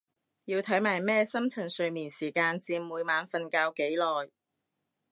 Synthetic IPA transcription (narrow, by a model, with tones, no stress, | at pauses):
jiː˧wt̪ʰɐ˨˥jmaː˨˩jmɛː˥sɐ˥mt͡sʰɐ˨˩nsɵ˧ɥmiː˨˩nsiː˨˩kaː˧nt͡siː˧mmuː˨˧jmaː˨˥nfɐ˧nkaː˧wke˨˥jlɔː˨˩j